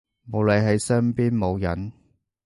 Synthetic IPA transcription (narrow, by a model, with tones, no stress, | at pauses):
mo˨˧wle˨˧jɦe˨˥jsœː˥ŋpiː˥nmo˨˧wjɐ̰˨˥n